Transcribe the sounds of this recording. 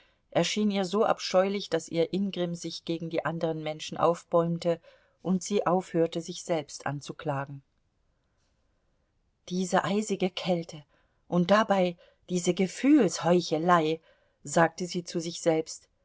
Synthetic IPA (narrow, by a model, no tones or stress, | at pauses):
ʔɛɐʃiːniːɐzoːʔa̰pʃɔʏlɪçd̥asʔiːɐʔɪnɡʁɪmzɪçɡ̥eːɡŋ̩diːʔandəʁənmɛnʃn̩ʔa̰ʊfb̥ɔʏmtə | ʔʊntz̥iːʔaʊfhøːɐtəzɪçz̥ɛlpstʔa̰nt͡sukl̥aːɡŋ̩ | d̥iːzəʔaɪzɪɡəkʰɛltʰə | ʔʊnt̚d̥abaɪ | d̥iːzəɡəfyːlshɔʏçəlaɪ | zaːk̚təziːt͡suzɪçz̥ɛlpst